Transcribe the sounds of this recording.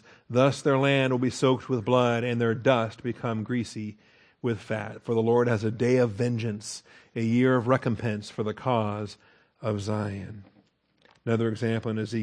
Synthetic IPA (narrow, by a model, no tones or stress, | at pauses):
ðʌsðə˞læ̃nd̚wəlˠbisoʊk̚t̚wɨðblʌɾɨ̃nðə˞dʌst̚b̥ɨkʰʌ̃mɡɹisi | wɪð̥fæ̰tfə˞ðəlɔɹd̚ɨzɨdeɪʌvɛ̃nd͡ʒɨ̃nsɨjɪɹʌvɹɛkɨ̃m̩pʰɛ̃nsfə˞ðɨkʰɔz | ʌvzaɪɨ̃n | ənʌðə˞ɨɡzæ̃mpl̩ˠə̃nɨzi